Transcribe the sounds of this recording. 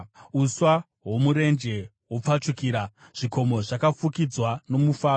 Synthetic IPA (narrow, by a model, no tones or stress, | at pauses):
uswa | ɦwo̞muɾe̞nd͡ʒe̞ | wop͡fat͡ʂukiːɾa | ʐ̥iko̞mo̞ʐakafukid͡zwano̞mufaːo